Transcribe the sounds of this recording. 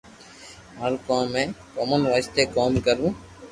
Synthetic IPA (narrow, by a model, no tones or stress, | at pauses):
ɦəɾkãːmẽːkoːmənʋaːst̪eːkoːmkəɾũː